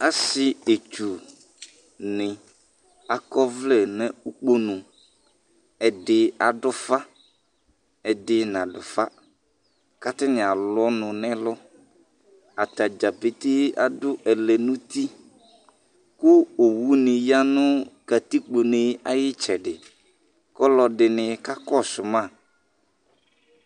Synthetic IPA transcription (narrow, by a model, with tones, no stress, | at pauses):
a˨sɪ˦e˨t͡ʃu˨ | nɪ̃˨ | a˨kɔ˦vlɛ˦nɛ̃˨˦u˦k͡po˦nʊ̃˨ | ɛ˨dɪ˨a˨dʊ˦fa˦ | ɛ˨dɪ˦nã˨dʊ̰˨fa˦ | ka˦t̪ɪ˦nɪ̃˨a˨lɔ˦nʊ̃˨nɛ̃˦lɔ˦ | a˨ta˨d͡ʒa˨pe˨tɪ˦a̰˨dʊ˦ʔɛ˨lɛ˨nʊ̃˦t̪i˦ | kʊ˦o˨wu˦nɪ̃˨ja˦nʊ̃˦ka˨t̪i˦k͡po˨nɪ˨a˦jɪ˦t͡ʃɛ˨dɪ˨ | kɔ˦lɔ˨dɪ˨nɪ˨ka˦kɔ˦˨sʊ˨mã˦˨